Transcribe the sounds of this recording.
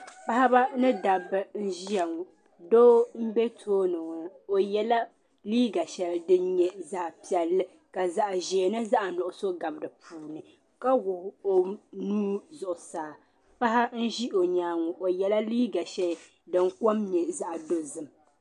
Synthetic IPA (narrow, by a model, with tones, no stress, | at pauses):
pa˦ha˦ba˦nɨ˦da˨bɨ˨n̩˦ʒi˦ja˨ŋɔ˨ | doː˦m̩˦bɛ˦tʰoː˦nɨ˨ŋa˨o˨jɛ˦la˦ | liː˦ɡa˨ʃɛ˨ldɨ˦nɲɛ˨zaː˦pi˨ɛ˨lːɨ˦ | ka˨za˨ʔʒe˨e˨nɨ˦za˦ʔa˨nʊ˨ʔʊ˨so˦ɡa˨bdɨ˨pʰuː˨nɨ˨ | ka˦wʊ˨ho˨nuː˦zʊ˨ʔʊ˨saː˨ | pa˦ɦa˦n̩˦ʒi˦ʔo˨ɲaː˦ŋɔ˨ʔo˨jɛ˦la˦liː˦ɡa˨ʃɛ˨l | dɨ˨ŋ˦ko˦mɲɛ˨za˦ʔdo˦zɨ˨m˨